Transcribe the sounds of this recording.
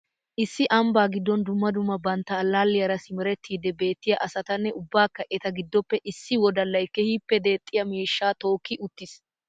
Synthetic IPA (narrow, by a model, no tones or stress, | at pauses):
ʔɪsːɪʔɐmbaːɡɪd̪ːɔnd̪ʊmːɐd̪ʊmːɐbɐnt̪ːɐːlːaːlːɪjɐɾɐsɪmɪɾɛt̪ːiːd̪ɛbe̞ːt̪ːɪjɐʔɐsɐt̪ɐnːɛʊbːaːkːɐʔɛt̪ɐɡɪd̪ːɔpːɛʔɪsːɪwɔd̪ɐlːɐjkːɛhiːpːɛd̪e̞ːt̪ʼːɪjɐmiːʃːaːt̪o̞ːkːɪʔʊt̪ːɪs